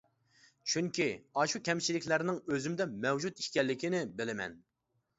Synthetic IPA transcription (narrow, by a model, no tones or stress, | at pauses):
t͡ʃʰyŋkʲiɑʃukʲʰɛmt͡ʃʰilɪkʲlæɾnɪŋøzymd̪ɛmɛwd͡ʒut̪i̥ʃkʲɛlːɪkʲinɪbɪlɪmɛ̰n